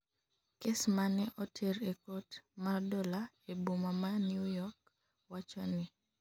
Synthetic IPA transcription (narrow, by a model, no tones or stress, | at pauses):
kesmanɛʔɔtʰeɾekotmardɔla | ebumamanjujɔk | wat͡ʃɔnɪ